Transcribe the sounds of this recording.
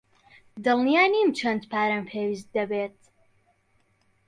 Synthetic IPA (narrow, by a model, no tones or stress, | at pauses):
d̪ɨlˠnijaːnimt͡ʃʰɐnd̪pʰaːɾampʰeːwiːs̬t̪̚d̪ɐbeːt̪̚